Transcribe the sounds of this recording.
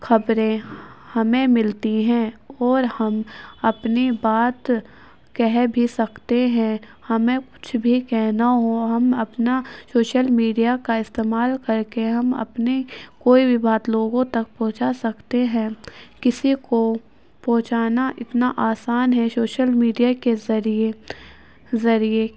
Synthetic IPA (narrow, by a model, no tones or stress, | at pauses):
xɐbɾẽhɐmẽmɪlt̪iɦɛ̃ɔːɾhɐmɐpnibaːt̪ | kɛɦbʱisɐkt̪eɦɛ̃ | hɐmẽkʊ̥t͡ʃʰbʱikɛɦnaɦũɦɐmɐpnasoːʃəlmiːɖijakaɪst̪eːmaːlkɐɾkeɦɐmɐ̰pnekoːibʱibaːt̪loːɡõt̪ɐk̚pɔɦʊ̃t͡ʃasɐkt̪eɦɛ̃ːkɪsiko | pɔɦʊt͡ʃaːnaʔɪt̪naʔaːsaːnɦɛ̃soːʃəlmiːɖijakezɐɾie | zɐɾie